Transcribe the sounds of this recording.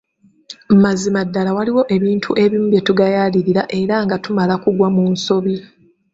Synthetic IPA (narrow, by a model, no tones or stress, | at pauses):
m̩mazimadːalawaliwo̞ʔe̞βiːntʰuʔe̞βimbje̞tuɡajaliɾiɾaʔe̞ɾaŋɡatumalakuɡwamunso̞βi